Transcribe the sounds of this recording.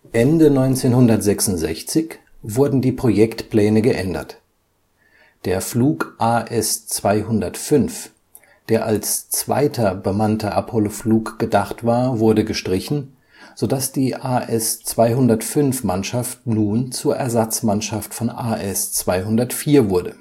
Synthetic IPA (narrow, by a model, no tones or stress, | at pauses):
ʔɛndənɔʏnt͡seːnhʊndɐtz̥ɛksʊntz̥ɛ̰çt͡sɪç | v̥ʊɐdn̩diːpʁ̥ojɛktpl̥ɛːnəɡəʔɛndɐ̰t | d̥eːɐfluːkʔaːʔɛst͡sv̥aɪɦʊndɐtfʏnf | d̥eːɐʔalst͡sv̥a̰ɪtʰɐbəmantʰɐʔapʰɔlofluːkɡ̥ədaχtv̥aːɐvʊɐdəɡəʃtʁ̥ɪçn̩ | z̥odasd̥iːʔaːʔɛst͡sv̥aɪɦʊndɐtfʏnfmanʃaftnuːnt͡suːɐʔɛɐzat͡smanʃaftfɔnʔaːʔɛst͡sv̥aɪɦʊndɐtfiːɐvʊɐdə